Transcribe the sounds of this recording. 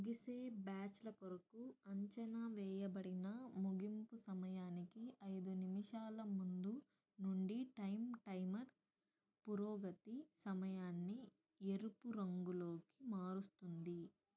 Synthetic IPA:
ɡiseːbaːt͡ʃlɐkoɾɐkuɐɲt͡ʃɐnɐʋɛːjɐbɐɽinɐmuɡimpusɐmɐjaːnikiɐjd̪unimiʂaːlɐmund̪u | nuɳɖiʈɐjmʈɐjmɐɾ | puɾoːɡɐt̪isɐmɐjaːnːi | eɾupuɾɐŋɡuloːki̥maːɾust̪und̪i

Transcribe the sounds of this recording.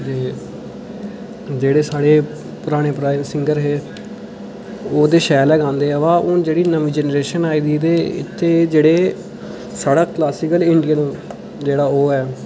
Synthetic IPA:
t̪eː | d͡ʒeːɽeːsaːɽeː | pʊɾaːɽ̃eːpɾaːɪʋsɪŋɡəɾɦeː | oːd̪eːʃɛːlɛːɡãːnd̪eːɛːʋãːʔʊːd͡ʒeːɽiːnəmiːd͡ʒɛːnɾeːʃənaːiːd̪iːt̪eːɪ̰t̪ʰːeːd͡ʒeːɽeː | saːɽaːklaːsɪkəlɪɳɖijaːnũː | d͡ʒeːɽaːoːɛː

